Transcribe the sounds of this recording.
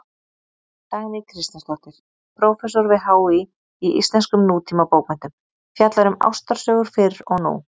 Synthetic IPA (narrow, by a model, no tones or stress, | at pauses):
t̪aɣnɪkʰɾɪst̪ast̪ɔht̪ɪɾ̥ | pʰɾowfɛsɔɾvɪðɦaːwi | iʔḭst̪lɛnskʏmnuːt̪ʰiːmapoːwkmɛnt̪ʏm | fjat̪laɾʏma̰wst̪aɾ̥sœːɣʏɾ̥fɪɾɔɣnṵ